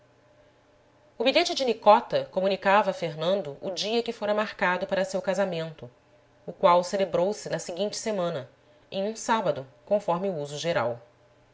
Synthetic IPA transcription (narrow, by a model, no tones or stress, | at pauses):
ʊbiʎet͡ʃɪd͡ʒɪnikɔt̪ɐkomunikavɐfeɦnɐ̃nd̪ʊʔʊd͡ʒiɐkɪfoɾɐmaɾkad̪ʊpaɾɐsewkazamẽnt̪ʊ | ʊkwawselebɾowsɪnɐsiɡĩnt͡ʃɪ̥semɐ̃nɐ | ḛ̃j̃ũsabɐd̪ʊkõfɔɾmɪuuzʊʒeɾa̰w